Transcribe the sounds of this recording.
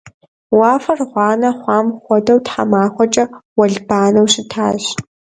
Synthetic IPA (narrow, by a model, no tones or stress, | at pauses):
wɑːfɐrʁʷɑːnɐχʷɑːmχʷɔdɐwtħa̰maːχʷɔt͡ʃʼɐwɐɮbaːnɐwɕɪtʰa̰ːʒ